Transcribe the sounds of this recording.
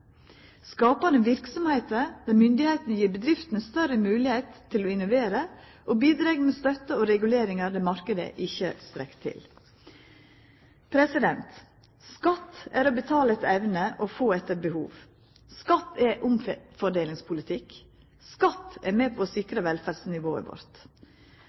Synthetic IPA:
skɑːpɑnəʋɪɾksɔmheɪt̪əɾd̪̥ɑːmʏnd̪ɪheɪt̪nəjiːɾbəd̪ɾɪft̪n̩əst̪œɾəmʉːlɪheɪt̪ʰːɪlɔɪnʊʋeːɾə | ʔoːbiːd̪ɾɛːɡmɛːst̪œt̪əoːɾɛɡʉleːɾɪŋɑɾd̪ɛːmɑɾkəd̪ə̰ʔɪçəst̪ɾɛkt̪ʰɪ̰l | pʰɾɛsɪd̪ɛnt̪ | skɑt̪ːæːɾobət̪ʰɑːləɛt̪ɛʋnəʔɔfoːɛt̪ːəɾbəhṵːʋ | skɑt̪ːɛʔʊmfɔɖeːlɪŋspʰʊlɪt̪ʰɪk | skɑt̪ːɛɾmɛːpʰoːsɪkɾəʋɛlfæːɖsnɪʋo̰ːə̰ɾʋɔ̰ɾt̪

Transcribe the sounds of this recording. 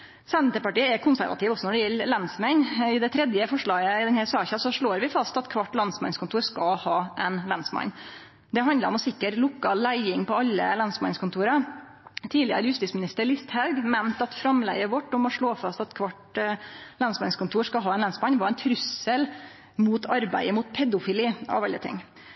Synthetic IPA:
sɛnt̪əpɑʈiːəɛkʰʊnsæɾʋɑ̰t̪ɪːʋɔsɔnɔɖɛjɛlːlɛnsmɛnɪd̪ɛt̪ʰɾɛd̪jəfɔʂɭɑːɡəɪd̪ɛnhɛɾsɑːçɑsɔʂɭoːɾʋɪfɑst̪ɑt̪kʰʋɑʈːlɑnsmɑ̰nskʊnt̪uːɾʂkɑhɑːʔɛnlɑnsmɑ̰nɲː | d̪ɛɦɑnd̪ləɾɔmɔsɪkːəʈlʊkːɑlæɪɪŋpɔɑlːə̰lɑnsmɑ̰nskʰʊnt̪ʰuːɾɑ | t̪ʰiːlɪə̰ɾəjʉst̪ɪːtsmɪnɪst̪əɾɭɪst̪hɑʉɡmɛnt̪ɑt̪fɾɑmlɛ̰ɡəʋɔʈːɔmɔʂɭoːfɑst̪ɑt̪kʰʋɑʈ | lɑnsmɑnskʊnt̪ʰuːɾʂkɑɑːɛnlɑnsmɑnːʋɑɾɛnt̪ʰɾʉsəl | muːt̪ʰɑɾbæ̰ɪəmuːt̪̚pʰɛd̪ʊfɪliːɑ̰ʋɑʎːə̰t̪ʰɪ̰ŋː

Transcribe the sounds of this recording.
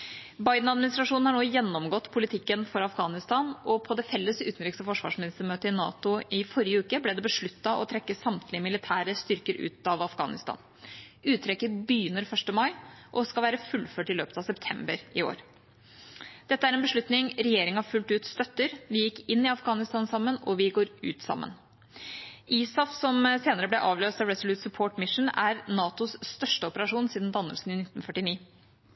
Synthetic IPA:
bɑɪd̪n̩ɑd̪mɪnɪst̪ɾɑʂuːnn̩hɑɳoːjɛnːɔmɡɔt̪ːpʰʊlɪt̪ʰɪkːənfɔɾɑfɡɑːnɪst̪ɑːnɔpʰɔd̪ɛfɛlːəsʉ̰ːt̪n̩ɾɪksəfɔʂʋɑ̰ːʂmɪnɪst̪əmøːt̪əɪnɑ̰ːt̪ʊɪfɔɾɪəʉːkəblɛd̪ɛbəʂɭʉt̪ːɑʔɔt̪ʰɾɛkːəsɑmt̪ʰlɪəmɪlɪt̪ʰæːɾəst̪ʏɾkəɾʉ̰ːt̪ɑʋɑfɡɑ̰ːnɪ̰st̪ɑ̰ːn | ʉːt̪ʰːɾɛkːəbʏjʏnːəɾfœʂʈəmɑɪʔɔskɑlʋæːɾəfʉlføːʈɪlø̰ːpət̪ɑʋsɛpt̪ʰɛmbəɾɪo̰ːɾ | d̪̥ɛt̪ːəæɾɛnbəʂɭʉt̪nɪŋɾɛjeːɾɪŋɑfʉlt̪ʉːt̪st̪œt̪ːəɾʋɪjɪkːɪnːɪɑfɡɑːnɪst̪ɑːnsɑmːənɔʋɪɡoːɾʉ̰ːt̪sɑ̰mːə̰n | ʔiːsɑfsɔmseːnəɾəblɛʔɑːʋløːst̪ɑʋɾɛsɔlʉːt̪sʉpʰoːʈmɪʂn̩æɾnɑːt̪ʊsst̪œʂʈəɔpəɾɑʂuːnsiːd̪n̩d̪ɑnːə̰lsn̩ɪnɪt̪ːnfœʈːɪniː

